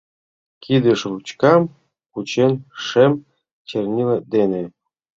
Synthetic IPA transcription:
kid̪ə̆ʃrut͡ɕkɑm | kut͡ɕenʃem | t͡ɕernʲiled̪enĕ

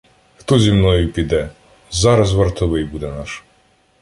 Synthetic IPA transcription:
xt̪ɔzʲimnɔjupid̪ɛ | zaɾazvəɾt̪ɔbɛjbud̪ɛnaʃ

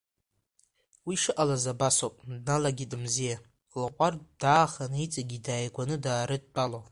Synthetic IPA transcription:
wiʂɨʔalazabasopʼdnalaɡʲidɨmzija | lqʷʼard̥aːχanɨit͡sʼaɡʲidaːjɡʷanɨdaːɾɨd̚ʼt͡pʼalo

